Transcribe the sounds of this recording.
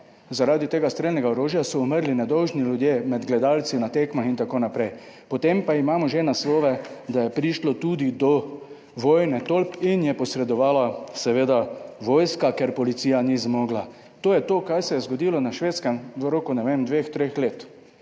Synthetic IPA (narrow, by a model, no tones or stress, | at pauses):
zaɾaːd̪it̪eːɡast̪ɾelnɛɡaoɾoːʒjasɔɔməɾlinɛd̪ɔwʒnilʲjud̪jemɛd̪ɡlɛd̪alt̪sinat̪eːkmaxint̪akoːnapɾɛjpɔt̪empaimaːmɔʒenasloːʋɛd̪ajɛpɾiʃlɔt̪ud̪id̪ɔ | ʋoːjnɛt̪olpinjɛpɔsɾɛd̪ɔʋaːlasɛʋeːd̪aʋoːjskakeɾpɔlit̪siːjanizmoːɡla | t̪oːjɛt̪oːkajsɛjɛzɡɔd̪ilɔnaʃʋeːt̪skɛmʋəɾokunɛʋemd̪ʋext̪ɾexleːt̪